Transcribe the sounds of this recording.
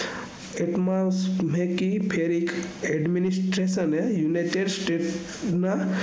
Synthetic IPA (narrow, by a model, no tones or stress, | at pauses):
eʈmasmẽkipʰeɾekeɖminisʈɾesənejunajʈeɖsʈeʈ | na